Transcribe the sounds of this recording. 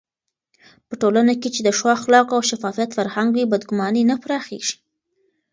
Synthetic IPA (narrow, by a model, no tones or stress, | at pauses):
pəʈolanaket͡ʃed̪əʃwɑxlɑqawʃafɑfijat̪faɾhaŋɡwibad̪ɡʊmɑninapɾɑxḛʒ̥i̥